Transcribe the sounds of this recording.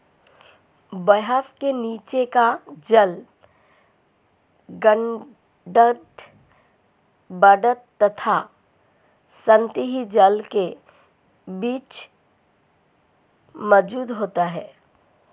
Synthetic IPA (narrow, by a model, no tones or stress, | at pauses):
bəɦəfkeniːt͡ʃekad͡ʒəl | ɡəɳ | ɖəʈ | bəɖət̪ːɐt̪ʰa | sə̃nt̪iɦid͡ʒəlke | biːt͡ʃ | mɔd͡ʒuːd̪ɦoːt̪aɦɛː